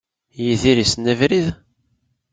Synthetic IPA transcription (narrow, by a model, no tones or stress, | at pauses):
jiðiɾisnævɾið